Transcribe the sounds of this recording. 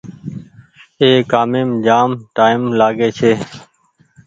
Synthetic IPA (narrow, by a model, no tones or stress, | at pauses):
eːkaːmeːmd͡ʒaːmʈaːɪmlaːɡeːt͡ʃʰeː